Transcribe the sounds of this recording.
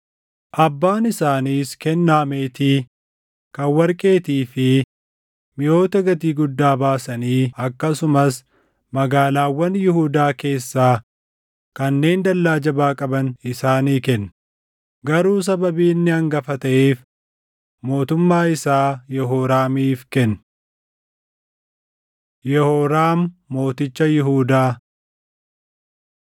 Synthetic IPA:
ʔɐbːaːnɪsaːniːskɛnːaːmeːt̪iː | kɐwːɐɾkʼe̞ːt̪iːfɪ | mɪjo̞ːt̪ɐɡɐt̪iːɡʊd̪ːaːbaːsɐniːɐkːɐsʊmɐs | mɐɡaːlaːwːɐnjɪhuːd̪aːke̞ːsːaː | kɐnːe̞ːnd̪ɐlːaːd͡ʒɐbaːkʼɐbɐnɪsaːniːkɛnː | ɡɐɾuːs̬ɐbɐbiːnːɪɐŋɡɐfɐt̪ɐʔeːf | mo̞ːt̪ʊmːaːɪsaːjɛɦoːɾaːmiːfkɛnː | jɛhoːɾaːmːo̞ːt̪ɪt͡ʃːɐjɪɦuːd̪aː

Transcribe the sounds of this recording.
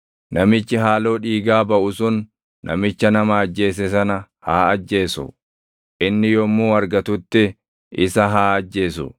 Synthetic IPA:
nɐmɪt͡ʃːɪɦaːlo̞ːᶑiːɡaːbɐʔʊsʊnː | ʔɐ̰mɪt͡ʃːɐnɐmɐːd͡ʒːe̞ːs̬ɛsɐnɐ | haːɐd͡ʒːe̞ːsʊ̰ | ʔɪnːɪjɔmːuːɐɾɡɐt̪ʊt̪ːɪ | ɪsɐɦaːɐd͡ʒːe̞ːsʊ̰

